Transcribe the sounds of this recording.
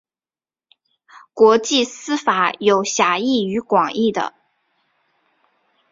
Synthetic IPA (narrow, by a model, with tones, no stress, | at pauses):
kwɔ˧˥t͡ɕi˥˩sɹ̩˥fa˧˥˦jo˨˩ʊɕja˧˥i˥˩y˧˥kwɑ˨˩ŋi˥˩d̪ə̰˩